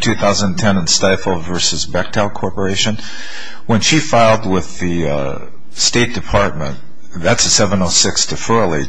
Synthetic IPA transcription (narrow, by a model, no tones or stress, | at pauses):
tʰʉθaʊzə̃n̩tʰɛ̃nɨ̃nstaɪfl̩ˠvɜ˞sɨzbæk̚tʰaʊkʰɔɹpə˞eɪʃɨ̃n | wə̃nʃifaɪlˠd̚wɪðɨ | steɪt̚d̥ɨpʰɑɹt̚mə̃n | ðætsɨsɛvə̃noʊsɪkstʰɨfɜ˞lˠi